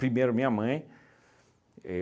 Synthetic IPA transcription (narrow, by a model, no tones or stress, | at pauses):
pɾimejɾʊmĩɲɐmɐ̃j̃ | e